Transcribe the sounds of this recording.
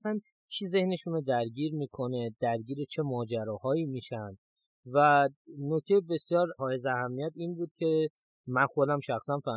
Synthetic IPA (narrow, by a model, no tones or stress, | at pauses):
sæn | t͡ʃʰize̞hne̞ʃunod̪æɾɟiːɾmiːkʰo̞ne̞d̪̥æɾɟiːɾet͡ʃʰe̞mɒːd͡ʒæɾɒːhɒːiːmiːʃænd̪̥ | vænoc̚t̪e̞jebe̞sjɒːɾhɒːje̞zeæhæmːijæt̪iːnbuːd̪̥̚cʲʰe̞ | mænxod̪æmʃæxsænfæ